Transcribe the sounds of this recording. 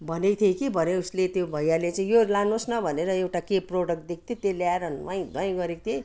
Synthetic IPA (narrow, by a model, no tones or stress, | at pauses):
bʱʌnet̪ʰekibʱʌneuslet̪jobʱʌjalet͡saĩjoɾlanosnʌbʱʌneɾʌewʈakeproɽʌk̚ʈ̚d̪ikʰt̪ʰit̪eljaeɾʌnwaj̃d̪ʱʌj̃ɡʌɾekt̪ʰe